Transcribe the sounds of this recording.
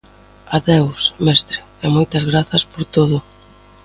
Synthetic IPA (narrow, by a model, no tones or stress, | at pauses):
aðewsmɛst̪ɾɪ̥ | ɛmojt̪ɐzɣɾaθɐspoɾt̪oðʊ